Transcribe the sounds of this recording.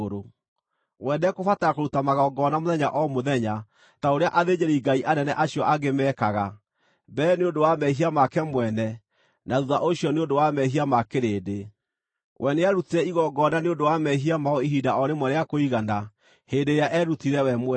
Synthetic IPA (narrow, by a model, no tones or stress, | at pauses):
ɾo | wɛnɛkofataakoɾutamaɣɔɡɔnamoðɛɲaʔɔmoðɛɲa | taoɾeaʔaðeɲeɾiɡaiʔanɛnɛʔaɕiɔʔaɡemɛkaɣa | bɛːneodowamɛɦiamakɛmwɛnɛ | naðuðaʔoɕjɔneondowamɛɦiamakeɾeːde | wʔɛneaɾutiɾɛiɣɔɡɔnaneodowamɛɦiamaɔiɦidaɔɾemwɛnɛjakoiɣana | heːndeɾjaʔɛɾutiɾɛwɛmɛ